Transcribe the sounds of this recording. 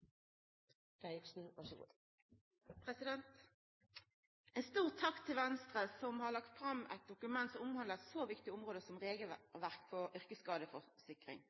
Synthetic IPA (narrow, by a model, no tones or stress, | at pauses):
æksn̩ʋæʂ | pʰʁɛsɪd̪ɛnt̪ | ɛnst̪uːʁt̪ʰɑkt̪ʰːɪlʋɛnst̪ʁəsɔmhɑʁlɑk̚t̪fʁɑmʔæ̰t̪̚d̪ʊkʉmɛnt̪sɔmʊmhɑnd̪ləʁɛt̪soːʋɪkt̪ɪʊmʁoːd̪əsɔmʁeːɡəl̩ʋæʁkfʰɔʏʁkəskɑːd̪əfɔʁsɪkʁɪ̰ŋ